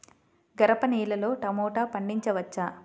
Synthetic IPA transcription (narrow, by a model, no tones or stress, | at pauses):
ɡɐɾɐpɐniːlɐlo̞ːʈɐmɔːʈaːpɐɳɖiɲt͡ʃɐʋɐt͡ʃːaː